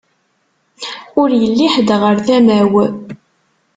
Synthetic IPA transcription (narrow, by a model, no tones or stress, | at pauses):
ʊɾjəlːiħd̪ʁəɾθæmæw